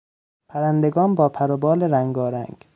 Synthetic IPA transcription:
pʰæɾænd̪eɡɒːnbɒːpʰæɾobɒːleɾæŋɡɒːɾæ̰ŋɡ

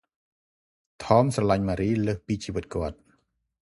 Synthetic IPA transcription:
t̪ʰɑːmsrɑlaɲmaːɾiːləːhpiːt͡ɕiːʋɨt̪̚kŏət̪̚

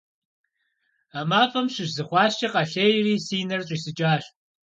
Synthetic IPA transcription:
amaːfɐmɕɪʒzɨχʷɑːɕt͡ʃʰɐqʼɐɬejriːsiːnɐrɕʼiːsɨt͡ʃʼaːɕ

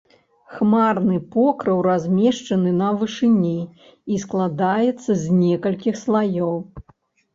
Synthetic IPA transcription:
xmarnɨpɔkɾɐwɾazʲmʲɛʂt͡ʂɐnɨnɐvɨʂɨnʲi | isklˠad̪ajɛt̪sːɐzʲnʲɛkɐlʲkʲixslˠajɔw

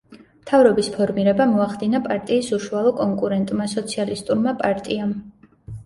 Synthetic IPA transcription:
mt̪ʰavɾɔbispʰɔɾmiɾɛbamɔaχd̪inapʼaɾt̪ʼiːsuʃualˠɔkʼɔŋkʼuɾɛnt̪ʼmasɔt̪sʰialist̪ʼuɾmapʼaɾt̪ʼiam

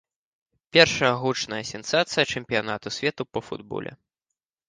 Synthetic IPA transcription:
pʲɛrʂɐjɐɣut͡ʂnɐjɐsʲɛnsat̪sɨjɐt͡ʂɛmʲpʲijanat̪usʲvʲɛt̪upɐfṵd̪bɔ̰lʲɛ̰

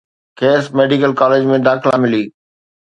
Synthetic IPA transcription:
kʰeːsmeːɖikəlkaːleːd͡ʑmẽd̪aːxʰɪlamɪliː

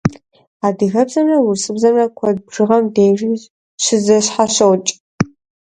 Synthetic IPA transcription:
aːdɨɣɐbzɐnɐwʊrsɨbzɐnɐkʷʰɔd̚bʐɨʁɐmdeːʒiz | ɕɪzɐɕħaɕɐwt͡ʃʼ

